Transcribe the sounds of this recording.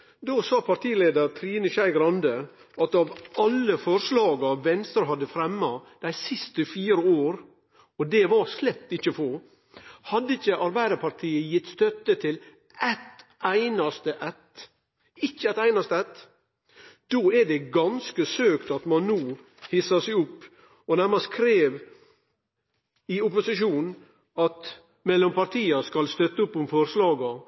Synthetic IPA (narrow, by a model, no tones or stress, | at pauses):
d̪oːsɑːpʰɑɾʈ̪ʰiːleːd̪əɾt̪ʰɾiːnəʃæɪɡɾɑnd̪ə | ʔɑt̪ɑʋʔɑlːəfɔɾʂlɑːɡɑʋɛnst̪ɾɦɑd̪ːəfɾɛmːɑd̪̥æɪsɪst̪əfiːɾəoːɾ | ɔd̪ɛʋɑɾslɛp̚t̪ɪçːəfɔ | hɑd̪ːəɪçəʔɑɾbæɪd̪əpʰɑɾʈʰiːəjɪt̪ːst̪œt̪ːət̪ʰɪl | ɛt̪ʔæɪnɑst̪əʔɛt̪ | ɪçːəɛt̪æɪnɑst̪əɛt̪ː | d̪̥oːæɖɛɡɑnskəsøːkt̪ɑt̪mɑnːuː | hɪsəsæɪʊpː | ɔnæɾmɑskʰɾeːʋ | ɪʊpʊsɪʃuːnn | ɑt̪ | mɛlːɔmpɑɾt̪ʰiːəskɑlst̪œt̪ːəʊpːʊmfɔɾslɑːɡɑ